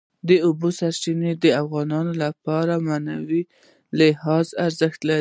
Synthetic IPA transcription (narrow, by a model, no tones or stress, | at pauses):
d̪əʊbosaɾt͡ʃined̪əafɣɑnɑnolapɑɾamanawi | lɪhɑzaɾzəxt̪la